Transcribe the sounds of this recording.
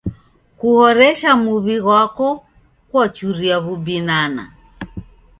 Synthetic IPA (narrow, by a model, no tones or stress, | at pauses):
kuhɔɾɛʃamuβiɣwakɔ | kwat͡ʃuɾiaβubinana̰